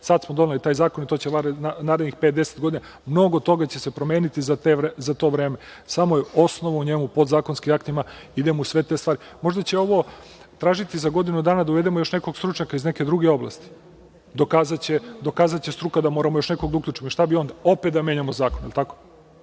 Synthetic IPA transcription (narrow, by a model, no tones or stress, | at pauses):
sad̪smod̪o̞nalit̪aːjzaːko̞nit̪o̞ːt͡ɕeʋaɾanaːɾed̪nixpet̪̚d̪eset̪ɡo̞d̪ina | mno̞ɡo̞t̪o̞ɡat͡ɕe̞sepɾome̞ːnit̪izat̪eɾzat̪o̞ːʋɾe̞ːmesamojeo̞snoʋauɲe̞mupo̞d̪zaːko̞nskimakt̪imaid̪emousʋe̞t̪e̞st̪ʋaːɾi | mo̞ʒd̪at͡ɕe̞o̞ʋo̞ | t̪ɾaːʒit̪izaɡo̞d̪inud̪aːnad̪auʋe̞d̪emojo̞ʃneko̞ɡst̪ɾut͡ʃɲakaizne̞ke̞d̪ɾuɡe̞o̞bla̰st̪i̥ | d̪o̞kaːzat͡ɕed̪o̞kaːzat̪t͡ɕest̪ɾukad̪amo̞ːɾamojo̞ʃneko̞ɡd̪aukʎʲuːt͡ʃimoʃt̪abio̞ːnd̪ao̞pet̪̚d̪ameɲamozaːkonḛlˠt̪ako